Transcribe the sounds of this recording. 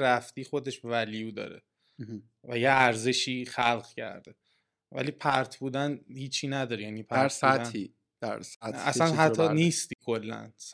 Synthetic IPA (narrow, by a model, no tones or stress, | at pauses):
ɾæft̪iːxo̞d̪e̞ʃbevælijuːd̪ɒ̰ːɾḛ | væjeæɾze̞ʃiːxælɣcʰæ̰ɾd̪e | væ̰liːpʰæɾt̪ʰbuːd̪ænhiːt͡ʃʰiːnæd̪ɒːɾejæːniːpʰææɾɾætdæni | d̪̥æ̰ɾsææ̰sænɦæt̪ʰːɒːniːst̪iːkʰo̞lːæ̰ns